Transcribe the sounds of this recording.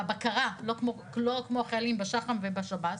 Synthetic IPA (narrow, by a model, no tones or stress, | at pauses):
abakaʁalokmoklokmoχelimbeʃaχamvebaʃabat